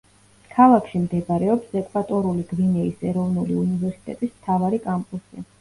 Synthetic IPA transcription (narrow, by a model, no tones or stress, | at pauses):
kʰalˠakʰʃimd̪ɛbaɾɛɔpsɛkʼvat̪ʼɔɾuliɡvinɛisɛɾɔvnuliunivɛɾsi̥t̪ʼɛ̰t̪ʼismt̪ʰavaɾikʼampʼusia